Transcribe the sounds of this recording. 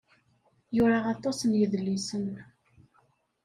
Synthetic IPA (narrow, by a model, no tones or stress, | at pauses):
jʊɾɑʁɑt̪ˤːɑsənjəðlːisən